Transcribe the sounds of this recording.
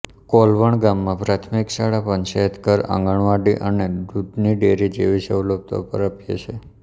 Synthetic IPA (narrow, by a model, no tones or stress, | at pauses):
kɔlʋəɳɡamːãpɾat̪ʰmikʃaɽapənt͡ʃaət̪kəɾã̰ŋɡəɳʋaɖiʔəned̪ud̪niɖeɾid͡ʒeʋisəwləb̚t̪ʰa̰pə̰ɾəpjḛt͡ʃʰe